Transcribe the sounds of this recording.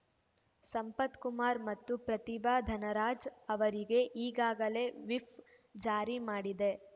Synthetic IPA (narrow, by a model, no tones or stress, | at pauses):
sɐmpɐt̪kumaːɾmɐt̪ːupɾɐt̪ibaːd̪ʱɐnɐɾaːd͡ʒɐʋɐɾiɡe̞ʔiːɡaːɡɐle̞ːʋip | d͡ʒaːɾimaːɽid̪e̞